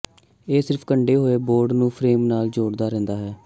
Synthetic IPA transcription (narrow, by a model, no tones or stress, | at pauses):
eːsɪɾpʰkəɳɖeːɦoːeːboːɾɖnũːpʰɾeːmnaːld͡ʒoːɽd̪aːɾɛ̃nd̪aːɦɛː